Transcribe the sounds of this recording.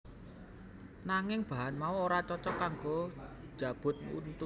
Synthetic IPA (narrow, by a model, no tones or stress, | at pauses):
naŋɪŋb̥a̤ɦanmauoɾat͡ʃɔt͡ʃɔkaŋɡo | d̥ʒ̥a̤b̥ʊ̤t̪̚ŋṵnt̪